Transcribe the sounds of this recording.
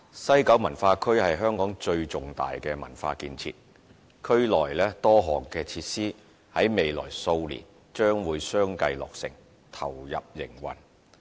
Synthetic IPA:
sɐ˥jkɐ˨˥wmɐ˨˩nfaː˧kʰɵ˥hɐ˨jɦœː˥ŋkɔː˨˥ŋt͡ʃɵ˧ɥt͡sʊ˨˩ŋt̪a̰ː˨jkɛː˧mɐ˨˩nfa̰ː˧kiː˧nt͡sʰḭː˧t̚ | kʰɵ˥ɥlɔː˨˩jlɛː˥t̪ɔː˥ɦɔː˨˩ŋkɛː˧t͡sʰiː˧t̚siː˥ | hɐ˨˥jme˨jlɔ̰ː˨˩jso˧wlḭː˨˩n | t͡ʃœː˥ŋwuː˨˧jsœː˥ŋkɐ˧jlɔ̰ː˨k̚sɪ̰˨˩ŋ | t̪ʰɐ˨˩wjɐ̰˨p̚jɪ˨˩ŋwɐ̰˨˩n

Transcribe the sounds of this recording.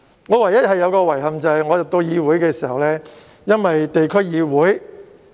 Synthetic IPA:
ŋɔː˨˧wɐ˨˩jɐ˥hɐ˨jːɐ˨˧wkɔː˧wɐ˨˩jɦɐ˨mt͡sɐ˨hɐ˨jŋɔː˨˧jɐ˨˩t̪o˧jiː˨˧wuː˨˥jkɛː˧siː˨˩hɐ˨wlɛː˥ | jɐ˥nwɐ˨jt̪e˨jkʰɵ˥ɥjiː˨˧wuː˨˥j

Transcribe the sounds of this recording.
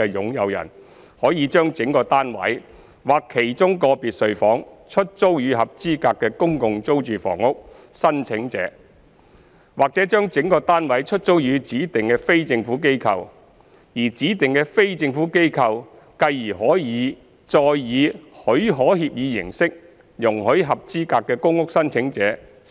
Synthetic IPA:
ɛ˧jʊ˨˥ŋjɐ˨˧wjɐ̰˨˩n | hɔː˨˥jiː˨˧t͡ʃœː˥ŋt͡sɪ˨˥ŋkɔː˧t̪aː˥nwɐ̰˨˥j | waː˨kʰːe˨˩jt͡ʃʊ˥ŋkɔː˧piː˨t̚sɵ˨˧ɥfɔː˨˥ŋt͡ʃʰɵ˥t̚t͡so˥wjyː˨˧hɐ˨p̚t͡siː˥kaː˧kːɛː˧kʊ˥ŋkʊ˨˧ŋt͡so˥wt͡ʃyː˨fɔ̰ː˨˩ŋʊ˥k̚ | sɐ˥nt͡sʰɪ˨˥ŋt͡sɛ̰ː˨˥ | waː˨k̚t͡sɛː˨˥t͡ʃœː˥ŋt͡sɪ˨˥ŋkɔː˧t̪aː˥nwɐ˨˥jt͡ʃʰɵ˥t̚t͡ʃo˥wjyː˨˧t͡siː˨˥t̪ɪ˨ŋkɛː˧fe˥jt͡sɪ˧ŋfuː˨˥ke˥jkʰɐ˧w | jiː˨˩t͡siː˨˥t̪ɪ˨˩ŋkɛː˧fe˥jt͡sɪ˧ŋfuː˨˥ke˥jkʰɐ˧w | kɐ˧jjiː˨˩ɦɔː˨˥jiː˨˧˥ | t͡sɔː˧jːiː˨˧hɵ˨˥ɥɦɔː˨˥ɦiː˧˨p̚jiː˨˧jɪ̰˨˩ŋsɪ˥k̚ | jʊ˨˩ŋɦɵ˨˥ɥɦɐ˨p̚t͡siː˥kaː˧kːɛː˧kʊ˥ŋʊ˥k̚sɐ˥nt͡sʰɪ˨˥ŋt͡sɛː˨˥

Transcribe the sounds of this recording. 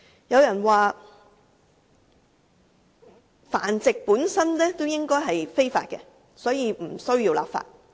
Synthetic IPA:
jɐ˨˧wjɐ˨˩nwaː˨˧ | fa̰ː˨˩nt͡sɪ˨k̚puː˨˥nsɐ˥nlɛː˥t̪o˥wjɪ˥ŋkɔː˥jɦɐ˨jfe˥jfa̰ː˧t̚kɛ̰˧ | sɔː˨˥jiː˨˧m̩˨˩sɵ˥ɥjiː˧wla̰ː˨pfa̰ː˧t̚

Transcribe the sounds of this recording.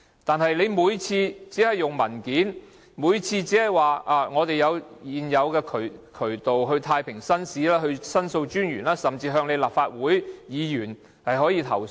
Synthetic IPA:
t̪aː˨nhɐ˨jle˨˧jmuː˨˧jt͡sʰiː˧t͡siː˨˥hɐ˨˩jːʊ˨ŋmɐ˨˩nkiː˨˥n | muː˨˧˥jt͡sʰiː˧t͡siː˨˥hɐ˨˩jwaː˨ʔaː˨˧ŋɔː˨˧t̪e˨jjɐ˨˧wjiː˨njɐ˨˧wkɛː˧kʰɵ˨˩ɥkʰɵ˨˩ɥt̪o˨wɦɵ˧ɥt̪ʰaː˧jpʰɪ˨˩ŋsɐ˥nsiː˨˥laː˥ɦɵ˧ɥsɐ˥nso˧wt͡ʃyː˥njyː˨˩nlaː˥sɐ˨˩mt͡siː˧ɦœː˧ŋle˨˧jlaː˨pfaː˧t̚wuː˨˥jjiː˨˧jyː˨˩n | hɐ˨jɦɔː˨˥jiː˧t̪ʰɐ˨˩w

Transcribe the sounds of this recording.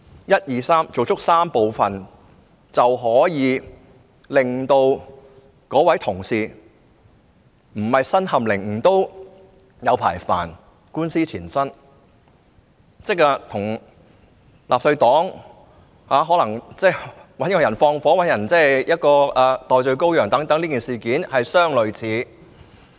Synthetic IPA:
jɐ˥t̚jiː˨saː˥mt͡so˨wt͡sʰʊ˥k̚saː˥mpo˨˧wfɐ˨n | t͡sɐ˨wɦɔː˨˥jiː˨˧ | lɪ˨ŋt̪o˧w | kɔː˨˥wɐ˨˥jt̪ʰʊ˨˩ŋsiː˨˩ | m̩˨˩hɐ˨jsɐ˥nhɐ˨mlɪ˨˩ŋm̩˨˩t̪o˥w | jɐ˨˧wpʰa̰ː˨˩jfa̰ː˨˩n | kuː˥nsiː˥t͡sʰiː˨˩nsɐ˥n | t͡sɪ˥k̚aː˧t̪ʰʊ˨˩ŋ | laː˨p̚sɵ˧ɥt̪ɔː˨˥ŋ | haː˨˥ɦɔː˨˥lɐ˨˩ŋt͡sɛː˥˩wɐ˨˥nkɔː˧jɐ˨˩nfɔː˧ŋfɔː˨˥wɐ˨˥njɐ˨˩nt͡sɛː˥jɐ˥t̚kɔː˧aː˨˧t̪ɔː˨˧jt͡sɵ˧ɥko˥wjœː˨˩ŋt̪ɐ˨˥ŋt̪ɐ˨˥liː˥kiː˨nsiː˨kiː˨˥nhɐ˨jsœː˥ŋlɵ˨ɥt͡sʰiː˨˥

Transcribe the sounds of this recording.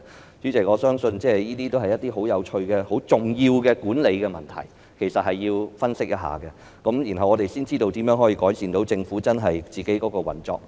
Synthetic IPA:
t͡ʃy˨˥t͡sɪ˨k̚ɔː˨˧sœː˥ŋsɵ˧nt͡sɛː˥˩jiː˥t̪iː˥t̪o˥whɐ˨jɐ˥t̪̚ːiː˥ɦo˨˥wjɐ˨˧wt͡ʃʰɵ˧ɥkɛ˧ho˨˧˥wt͡sʊ˨˩ŋjiː˧wkɛː˧kuː˨˥nle˨˧jkɛ˧mɐ̰˨nt̪ʰɐ̰˨˩j | kʰe˨˩jsɐ˨t̚hɐ˨jːiː˧wfɐ˥nsɪ˥k̚jɐ˥t̚ɦa̰ː˨kɛ˧ | kɐ˨˥mjiː˨˩nɦɐ˨wɔː˨˧t̪e˨jsiː˥nt͡siː˥t̪o˧wt̪iː˨˥mjœː˨˥ŋɦɔː˨˥jiː˧kɔː˨˥jsiː˨nt̪o˨˥wt͡sɪ˧ŋfu˨˥t͡sɐ˥nɦɐ˨jt͡siː˨ke˨˥jkɔː˨˧˥kɔː˧wɐ̰˨˩nt͡sɔ̰ː˧k̚

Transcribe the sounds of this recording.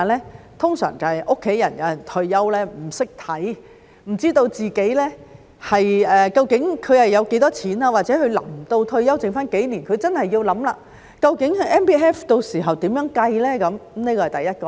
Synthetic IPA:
a˨lɛː˥ | t̪ʰʊ˥ŋsœ̰ː˨˩ŋt͡sɐ˨hɐ˨˩jʔʊ˥kʰːe˨˥jɐ̰˨˩njɐ˨˥jɐ˨˩nt̪ʰɵ˧ɥːɐ˥wlɛː˥m̩˨˩sɪ˥k̚t̪ʰɐ˨˥j | m̩˨˩t͡siː˥t̪o˧wt͡siː˨˩ke˨˥jlɛː˥ | hɐ˨jɛː˨kɐ˧wkɪ˨˥ŋkʰɵ˨˧ɥhɐ˨jːɐ˨˧wke˨˥jt̪ɔː˥t͡sʰiː˨˥naː˧waː˨t̚t͡sɛ˨˥hɵ˧lɐ̰˨˩mt̪o˧wt̪ʰɵ˧ɥjɐ˥wt͡sɪ˨ŋfaː˥nke˨˥jliː˨˩nkʰɵ˨˧t͡sɐ˥nhɐ˨jːiː˧wlɐ˨˥mla̰ː˧ | kɐ˧wkɪ˨˥ŋhɐ˨˧jʔɛː˥npiː˥ʔɛː˥ft̪o˧wsiː˨˩ɦɐ˨wt̪iː˨˥mjœː˨˥ŋkɐ˧jlɛː˥kɐ˨˥m˨˥mniː˥kɔː˧ɐ˨jt̪jɐ˥t̚kɔː˧

